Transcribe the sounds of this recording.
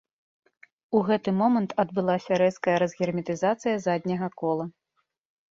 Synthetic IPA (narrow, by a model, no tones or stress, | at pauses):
uɣɛt̪ɨmɔmɐnt̪ʰɐd̪bɨlˠasʲɐɾɛskɐjɐɾɐzɣʲɛrmʲit̪ɨzat̪sɨjɐzad̪ʲnʲɐɣɐkɔlˠɐ